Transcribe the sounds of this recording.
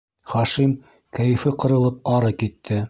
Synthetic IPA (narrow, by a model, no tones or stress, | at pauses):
χɑʃim | kæjɘ̆fɘqɤ̆ɾɤ̆lˠɤp̚ɑɾɤkit̪ʰːɘ